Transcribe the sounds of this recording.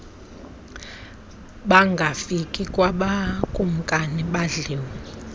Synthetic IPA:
ɓaŋɡʱafikʼikʼwaɓakʼum̩kʼaniɓaɮiːwi

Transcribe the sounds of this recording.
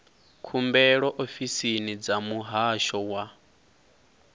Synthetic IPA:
kʰumbɛɺɔʔofisinid͡zamuɦaʃɔwa

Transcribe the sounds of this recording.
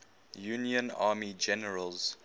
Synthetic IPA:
juːniə̃naːmid͡ʒɛnəɹəlz̥

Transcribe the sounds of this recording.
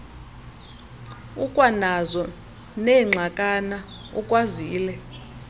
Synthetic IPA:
ukʼwanazɔ | nɛŋ͡ǁʱakʼana | ṵkʼwaziːlɛ

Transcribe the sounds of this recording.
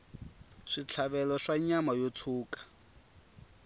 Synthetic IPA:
ʂit͡ɬʰaβɛlɔʂaɲamajotʰuːkḁ

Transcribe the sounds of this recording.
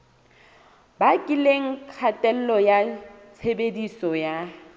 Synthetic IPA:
bakʼɪleŋ̩kʰatʼɛl̩lɔjat͡sʰebedisɔja

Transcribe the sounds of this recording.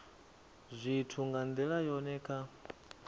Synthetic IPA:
zʷitʰuŋɡand̪ɛɺajɔnɛːkʰa

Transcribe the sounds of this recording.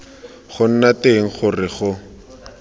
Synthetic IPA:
χʊn̩nateŋ̩χʊrɪχʊ

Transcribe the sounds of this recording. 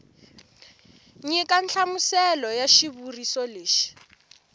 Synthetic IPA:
ɲɛkant͡ɬʰamusɛlɔjaʃiβurisɔleːʃi̥

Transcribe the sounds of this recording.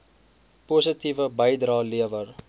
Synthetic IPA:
pusətivəbəjdɾɑːliəvər

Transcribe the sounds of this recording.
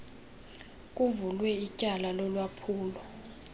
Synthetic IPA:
kʼuvulwɛicʼalalɔlwapʰuːlɔ

